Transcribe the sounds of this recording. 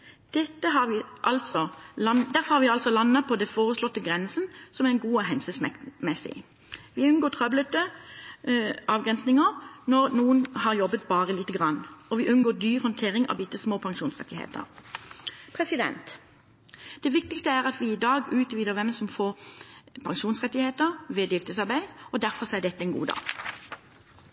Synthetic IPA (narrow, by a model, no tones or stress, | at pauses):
d̪̥ɛt̪ːəɦɑʋɪʔɑlsɔɑd̪æʁɾfɔɾhɑːʋɪɑlsɔlɑnːɑpʰɔd̪ɛfoːʁəslɔt̪ːəɡʁɛnsənsɔmæɛnɡuːəɦɛnsʉsmɛmɛsɪ̰ | ʋɪʉnɡoːt̪ʰʁœblət̪ə | ʔɑːʋɡʁɛnsnɪŋəʁnɔʁnuːənhɑʁjɔbːət̪̚bɑːʁəliːt̪əɡʁɑnːɔʋɪʔʉnɡoːd̪yːʁhɔnt̪ʰeːʁɪŋɑ̰ʋɪt̪ːəsmoːpʰɑŋʃuːnsʁɛ̰t̪ːɪhḛːt̪ə̰ʁ | pʰʁɛsɪd̪ɛ̰nt̪ | d̪̥ɛʋɪk̚t̪ɪkst̪əæʁɑt̪ʋɪɪd̪ɑːɡʉːt̪ʋiːd̪əʁʋɛmsɔmfoːʁpʰɑŋʃuːnsʁɛt̪ːɪheːt̪əʁʋeːd̪ɪːlt̪əsɑʁbæɪɔd̪æɾfɔʁsɔæɖ̪ɛt̪ːəɛnɡṵːd̪ɑ̰ːɡ